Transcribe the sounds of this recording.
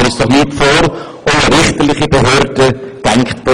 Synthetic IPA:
ɾɪsd̥ɔχnyːtfoːɾ | onəɾɪχtəlɪχibeɦøːɾd̥əd̥ɛŋkχtb̥o

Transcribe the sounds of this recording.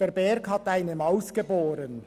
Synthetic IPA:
ɛɾbɛɾkhɑt̪aɪnəmɑʊsɡ̥eboːɾən

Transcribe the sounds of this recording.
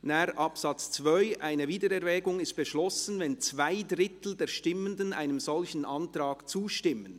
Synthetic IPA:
naɾʔɑpsɑt͡st͡svœʏʔaɪnəviːdəɾɛʁvɛːɡʊŋɪst̚b̥əʃlɔsən̩vɛnt͡svaɪdɾɪt̪l̩d̪ɛːʃtɪmənd̪əna̰ɪnəmzɔlçən̩ʔɑntɾaːkt͡suːʃtɪmən

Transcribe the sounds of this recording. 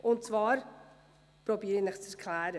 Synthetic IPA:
ʔʊnt̚t͡svɑːɾ | pɾobiːɾɪnɪχt͡sɛɾkʰlæːɾə

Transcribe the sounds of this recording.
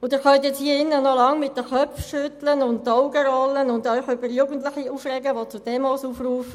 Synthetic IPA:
ʊd̥̪ɪɾχœnt̪jɛt͡shiːəɪnːənɔlɑŋmɪt̚d̥əχœpfʃʏt̪lənʊntːɔʊɡəɾɔlənʊnd̪œʏχʏbəɾjuːɡən̩tlɪχiuːfrɛɡəʋot͡sud̥ɛmɔːsuːfruːfə

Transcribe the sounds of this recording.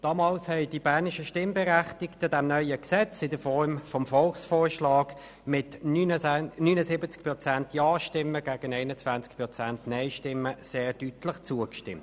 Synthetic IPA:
d̥ɑːmɑːlshɛɪdibæʁnɪʃəʃtɪmbɛʁæχtɪktəd̥ɛmnœʏəksɛt͡sɪdəfɔʁmfɔmfɔlχsfoːʃlɑːɡ | mɪtː | nyːnəsɪbət͡skpʁɔt͡sæntjɑːʃtɪməɡ̥æːɡ̥ənɛɪnət͡svant͡sk̚pʁɔt͡sæntnɛɪʃtɪmːəseːʁd̥ytləχt͡suəkʃtɪ̰mt

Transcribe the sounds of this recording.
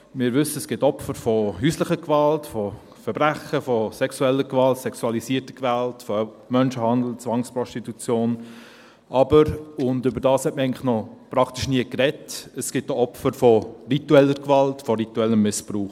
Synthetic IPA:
mɪːɾʋʏsːəəsɡ̥ɪtɔpfəɾfɔhyːsləχəkvɑltfɔ | fɛɾbɾæχəfɔsɛksuɛlːəkʋɑltsɛksuɑlisiːəɾtə̥kʋæltfɔ | mœnʃəhɑnd̪l̩t͡sʋɑŋspɾɔʃtitut͡sjoːn | ʔɑbəɾʊndʏbəɾdɑːshɛt̚məɾæɪŋləχnɔpɾɑktiʃniəkɾɛtəsɡ̥ɪt̚ːoɔpfəɾfɔrituɛlːəɾkʋɑltfɔɾituɛlːəmːɪspɾuːχ

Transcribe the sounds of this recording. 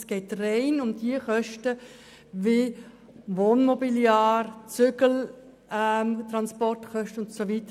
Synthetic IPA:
sɡ̥ɛɪtrɛɪnʊmdiəχœʃtə | vi | ʋoːnmɔbiljaːrt͡sʏɡəl̩ | mtʁɑnspɔrtχœʃtəʊntsoʋitə

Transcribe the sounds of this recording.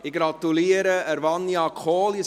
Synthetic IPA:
ɪɡɾɑt̪uliəɾəəɾʋɑnːiɑkʰoːli

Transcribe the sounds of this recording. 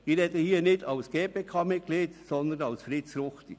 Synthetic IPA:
ɪɾhɛt̪əhiənɪdɑʊsɡ̥eːpeːkʰɑːmɪt̚kliːtsɔnd̪ənɑwsfɾɪtsɾʊχt̪i

